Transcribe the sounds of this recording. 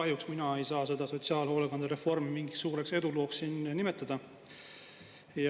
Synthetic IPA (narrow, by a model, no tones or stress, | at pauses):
ɑhjuksminɑe̞jsɑːse̞d̪̥ɑso̞t̪siɑːlɦo̞ːlekɑnd̪̥ɑɾe̞fo̞rmimiŋɡissuːɾe̞kse̞d̪̥ulo̞ːksːiːnnime̞t̪ˑːɑd̪̥ɑ | jɑ